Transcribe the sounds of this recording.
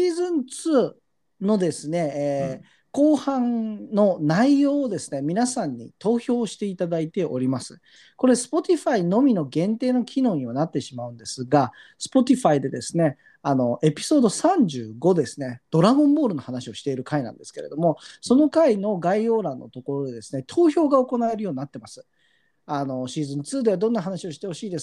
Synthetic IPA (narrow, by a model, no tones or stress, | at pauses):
ɕiːzɨ̃nt͡sɨː | no̞d̪e̞sɨne̞ː | ko̞ːhãnno̞naijo̞ːod̪e̞sɨne̞mʲinasãɲ̟ːḭt̪o̞ːço̞ːɕi̥t̪e̞it̪ad̪ait̪e̞ʔo̞ɾʲimasɨ̥ | ko̞ɾe̞sɨ̥po̞t̪ʲiɸaino̞mʲino̞ɡẽ̞nt̪e̞ːno̞kʲʰino̞ːɲ̟iβanat̪ːe̞ɕimaɯ̟̃nd̪e̞sɨɡasɨ̥po̞t̪ʲiɸaid̪e̞d̪e̞sɨne̞ | ano̞e̞pʲi̥so̞ːd̪o̞sãɲ̟d͡ʑɨːɡo̞d̪e̞sɨne̞d̪̥o̞ɾaɡõ̞mbo̞ːɾɯ̟no̞hanaɕio̞ɕi̥t̪e̞iɾɯ̟kainã̰nd̪e̞sɨ̥ke̞ɾe̞̰d̪o̞mo̞so̞no̞kaino̞ɡaio̞ːɾãnːʔo̞̰t̪o̞ko̞ɾo̞d̪e̞d̪e̞sɨ̥ne̞t̪ʰo̞ːçʲo̞ːɡao̞ko̞nae̞ɾɯjo̞ːɲ̟inat̪ːe̞masɨ̥ | ano̞ɕiːzɨ̃nt͡sɨːd̪e̞βad̪õ̞nːaɦanaɕio̞ɕi̥t̪e̞ho̞ɕiːd̪e̞s